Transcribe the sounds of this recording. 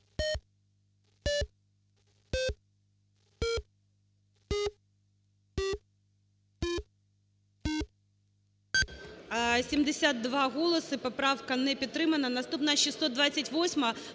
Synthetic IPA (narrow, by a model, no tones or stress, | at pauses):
sʲimd̪ʲɛsʲad̪ːvaɣɔlˠɐsɨpapɾawkɐnɛpʲit̪ɾɨmɐnɐnast̪upnɐɕisːɔd̪d̪vat̪sːɐtʲvɔsʲmɐ